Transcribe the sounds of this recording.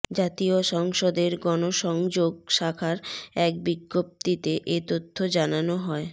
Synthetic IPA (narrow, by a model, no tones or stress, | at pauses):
d͡ʑat̪ioʃɔŋʃod̪eɾɡɔnoʃɔŋd͡ʑoɡ̚ʃakʰaɾɛk̚biɡːop̚t̪it̪eʔet̪ot̪ʰːod͡ʑananoɦɔe